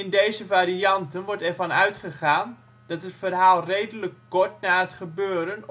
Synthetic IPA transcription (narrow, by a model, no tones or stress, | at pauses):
ɪndejzəvaːriɑntənʋɔɹtɛrvɑnœɥtχəχaːn | d̥ɑtɦətfərɦaːlˠrejdələkːɔɹtnaːɦətχəbøːɾən